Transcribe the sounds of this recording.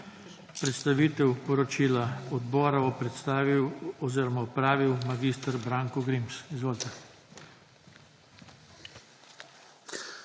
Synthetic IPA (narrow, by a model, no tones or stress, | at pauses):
pɾɛt̪st̪aʋiːt̪ɛwpɔɾɔt͡ʃiːlaɔd̪bɔːɾaʋɔpɾɛt̪st̪aːʋiwɔziɾɔmaɔpɾaːʋiwmaɡiːst̪aɾbɾaŋkɔɡɾimsizʋoːlt̪ɛ